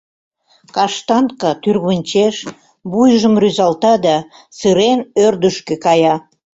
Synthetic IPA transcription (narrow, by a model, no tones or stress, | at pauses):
kɑʃt̪ɑnkɑt̪yrɣənʲt͡ɕeʃ | bujʒəmryzɑlt̪ɑd̪ɑ | sɨɾenørd̪əʃkekɑjɑ